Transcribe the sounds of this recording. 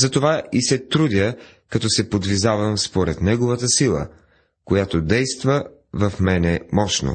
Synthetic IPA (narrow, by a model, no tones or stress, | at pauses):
zɐt̪ovaisɛt̪ɾud̪ʲə | kɐt̪ɔsɛpod̪vizavɐmspoɾɛt̪nɛɡovɐt̪əsilˠə̰ | kojat̪od̪ɛjst̪və | vɐfmɛnɛmɔʃno̰